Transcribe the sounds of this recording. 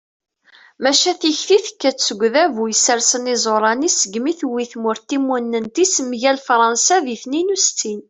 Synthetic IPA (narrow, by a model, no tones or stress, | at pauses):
mæʃæθiçθiθə̥kːæt͡st͡sːəɡʷːðævujəsəɾsənizˤoɾˤɑnisəɡmiθwiθmʊɾt̪imːunːənt̪ismʝælfɾˤɑnsæðiθninust̪ːin